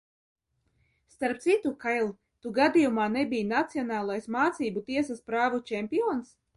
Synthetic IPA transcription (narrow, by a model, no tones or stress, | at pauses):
st̪aɾp̚t̪sit̪ukajlˠ | t̪uɡad̪ijumaːnɛbʲijnat̪siɔnaːlˠajsmaːt̪siːbut̪iɛsaspɾaːvut͡ʃɛmʲpiɔːns